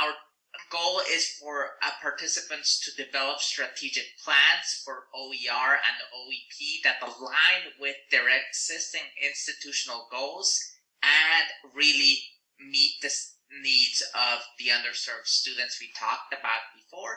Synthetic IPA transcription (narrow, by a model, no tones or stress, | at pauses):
aʊə˞ | ɡoʊlˠɪz̥fə˞əpʰɑɹtʰɪsɨpɨ̃ntstʰɨdɨvɛlˠəpstɹ̥ɨtʰid͡ʒɨk̚pʰl̥æ̃nz̥fə˞ʔoʊiɑɹɨ̰̃nðiʔoʊipʰiðɨt̪əlãɪ̃nwɪðə˞ɪɡz̥ɪstɪ̃ŋɪ̃nstɨtʰʉʃn̩l̩ˠɡoʊlˠz | ʔɨ̃nɹɪlˠi | mit̪̚ðɨ | nidzʌvðiʌ̃ndə˞sɜ˞v̥stʉd̃ⁿn̩tswitʰɔ̰k̚tɨbaʊt̚b̥ɨfɔɹ